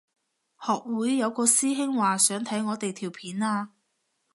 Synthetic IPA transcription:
hɔː˨k̚wuː˨˥jːɐ˨˧wkɔː˧siː˥ɦɪ˥ŋwaː˨sœː˨˥ŋt̪ʰɐ˨˥jŋɔː˨˧t̪e˨jt̪ʰiː˨˩wpʰiː˨˥naː˧˥

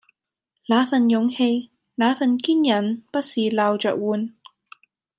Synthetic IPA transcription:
laː˨˧fɐ˨njʊ˨˧˥ŋhe˧j | laː˨˥fɐ˨nkiː˥njɐ˨˩npɐ˥t̚siː˨laː˨wt͡ʃœː˨k̚wuː˨˧n

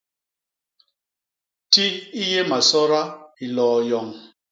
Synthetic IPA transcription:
ti˦i˦je˦ma˨sɔ˦ɾa˦i˨lɔː˨jɔ˨ŋ

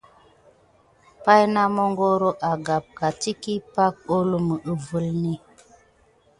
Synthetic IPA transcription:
pa˦jna˦mo˦ŋɡo˦ɾo˦ʔa˨ɡa˨p̚ka˨ti˦ki˦pa˦k̚o˦lu˦mə˨ʔə˨və˦lni˦

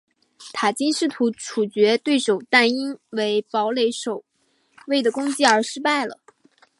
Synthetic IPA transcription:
t̪ʰa˨˩t͡ɕi˥nʂɻ̩˥˩t̪ʰu˧˥ʈ͡ʂʰu˨˩t͡ɕɥɛ˧˥t̪we˥˩ɪʂo˨˩ʊt̪a˥˩ni˥nwe˧˥ɪpɑ˧˥ʊle˧˥ɪʂo˨˩ʊ | we˥˩ɪd̪ə˩kʊ˥ŋt͡ɕi˥˩ə˞˧˥ʂɻ̩˥pa˥˩ɪlə̰˩

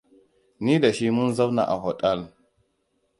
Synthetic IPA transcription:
ni˦da˨ʃi˦mu˦nza˦bna̰˨ʔa˨ɦo˨tʼa˦˨l

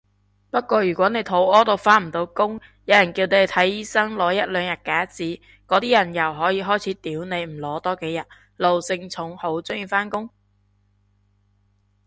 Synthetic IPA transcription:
pɐ˥t̚kʷɔː˧jyː˨˩kʷɔː˨˥ne˨˧jt̪ʰo˨˥wɔː˥t̪o˧wfaː˧˥t̚m̩˨˩t̪o˨˧wkʊ˥ŋ | jɐ˨˧wjɐ˨˩nkiː˧wne˨˧˨t̪ʰɐ˨˥jiː˨˥sɐ˥ŋlɔː˨˧jɐ˥t̚lœː˨˧ŋjɐ˨t̚kaː˨˥t͡siː˨˥ | kɔː˨˧˥t̪iː˥jɐ˨˩njɐ˨˩wɦɔː˨˥jiː˧ɦɔː˥jt͡sʰiː˨˥t̪iː˨˥wne˨˧jm̩˨˩lɔː˨˥t̪ɔː˥ke˨˥jɐ˨˩t̚ | lo˨wsɪ˧ŋt͡sʰʊ˨˥ŋho˨˥wt͡sʊ˥ŋjyː˨faː˥nkʊ˥ŋ

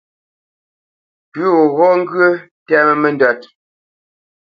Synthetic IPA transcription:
pʉ˦ɣo˨ɣɔ˦ŋ̩˦ɡɰə˦tɛ˦mə˦mə˦˨ndɔ˨t̚

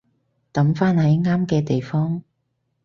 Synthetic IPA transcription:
t̪ɐ˨˥mfaː˥nhɐ˨˥jŋaː˥mkɛː˧t̪e˨jfɔː˥ŋ

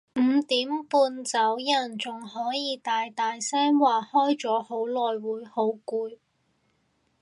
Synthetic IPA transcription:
m̩˨˧t̪iː˨˥mpuː˧nt͡sɐ˨˥wjɐ˨˩nt͡sʊ˨ŋhɔː˨˥jiː˨˧t̪aː˨jt̪aː˨jsɛː˥mwaː˨˩hɔː˥jt͡sɔː˨˥ho˨˥wlɔː˨jwuː˨˥jho˨˥wkuː˧j

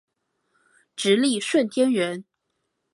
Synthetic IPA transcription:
ʈ͡ʂɻ̩˧˥li˥˨ʂwə˥˩nt̪ʰjɛ˥nɥɛ˧˥n

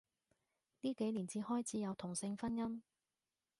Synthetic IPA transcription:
niː˥ke˨˥jliː˨˩nt͡siː˨˧hɔː˥jt͡sʰiː˨˥jɐ˨˧wt̪ʰʊ˨˩ŋsɪ˧ŋfɐ˥njɐ˥m

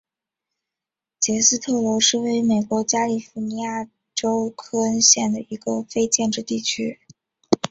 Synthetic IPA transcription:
t͡ɕjɛ˧˥sɹ̩˥˧t̪ʰɤ˥˩lo˧˥ʂɻ̩˥˩we˧˥ɪ˥me˨˩ɪkwɔ˧˥t͡ɕja˥li˨˩fu˧˥ni˧˥ja˥˩ | ʈ͡ʂo˥ʊkʰɤ˥ɕjɛ˥˩nd̪ə˩i˧˥ɡə˧fe˥ɪt͡ɕjɛ˥˧nʈ͡ʂɻ̩˥˧t̪i˥˩t͡ɕʰy˥

